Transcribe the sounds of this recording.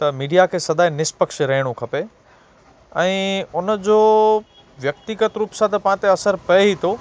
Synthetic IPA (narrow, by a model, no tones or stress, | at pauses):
t̪ɐmiːɖijakʰeːsɐd̪ʱaːɦinɪspəkʃɾɐɦɪɽ̃okʰɐpe | ɛ̃ːʊnd͡ʑoː | ʋjɐkt̪iɡət̪ɾuːpsãt̪ɐpãːt̪eɐsəɾpɐeɦit̪ʰo